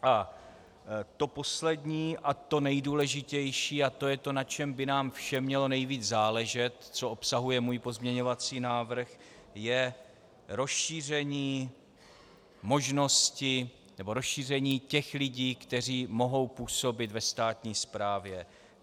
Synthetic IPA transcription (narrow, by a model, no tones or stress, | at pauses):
ʔa | t̪o̞po̞slɛdɲiːʔat̪o̞nɛjduːlɛʒɪcɛjʃiːat̪o̞jɛt̪o̞nat͡ʃɛmbɪnaːmfʃɛmɲɛlo̞nɛjviːd͡zzaːlɛʒɛt̪t͡soʔo̞psaɦujɛmuːjpo̞zmɲɛɲo̞vat͡siːnaːvr̩xjɛ | ɾo̞sʃiːr̝ɛɲiː | mo̞ʒno̞scɪ | nɛbo̞ɾo̞sʃiːr̝ɛɲiːcɛxlɪɟiːkt̪ɛr̝iːmo̞ɦo̞wpuːso̞bɪt̪vɛst̪aːt̪ɲiːspɾaːvjɛ